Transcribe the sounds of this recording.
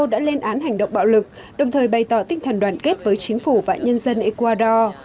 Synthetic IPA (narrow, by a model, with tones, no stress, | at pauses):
ə˧ɗa̰ː˧˥le˧nʔaː˨˦nɦa˨˩jŋ̟ɗə̰˧˨wŋ͡mɓa̰ː˧˨wlɨ˨˩k̚ | ɗə˨˩wŋ͡mt̪ʰəː˨˩jɓa˨˩jt̪ɔ˧˩t̪ï˧˩ŋ̟t̪ʰə˨˩ŋɗwaː˧˩nke˦˥t̚vəː˨˦jt͡ɕï˨˦ŋ̟fu˧˩va̰ː˧˨ɲə˧nzə˧nʔe˧kwaː˧ɗɔ˧